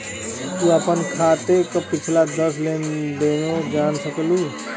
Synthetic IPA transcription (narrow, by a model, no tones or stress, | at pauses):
t̪uəpənkʰaːt̪ekopɪt͡ʃʰlad̪əsleːnleːnod͡ʒaːnsəkluː